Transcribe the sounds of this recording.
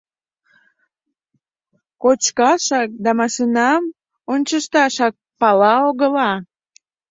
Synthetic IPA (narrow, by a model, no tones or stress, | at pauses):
kot͡ɕkɑʃɑk̚d̪ɑmɑʃinɑm | onʲt͡ɕəʃt̪ɑʃɑk̚pɑlɑoɣəlɑ